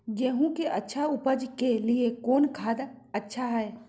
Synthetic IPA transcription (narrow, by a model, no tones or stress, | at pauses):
ɡeːɦũkeʔɐtːʃʰaʊpəd͡ʒkeliekoːnkʰaːd̪ɐtːʃʰaɦɛː